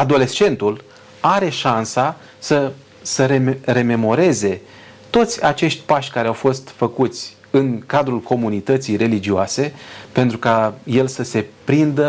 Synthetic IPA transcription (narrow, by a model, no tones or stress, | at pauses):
ad̪o̞le̞st͡ʃe̞nt̪ul | aɾe̞ʃansa | sə | səɾeɾe̞me̞mo̞ɾe̞ze̞ | t̪o̞t̪sʲat͡ʃe̞ʃt̪ʲpaʃʲkaɾeawfo̞st̪fəkut̪sʲ | ɨŋkad̪ɾulkʰo̞munit̪ət̪sijre̞lid͡ʒioase̞pe̞nt̪ɾukaje̞lsəse̞pɾind̪ə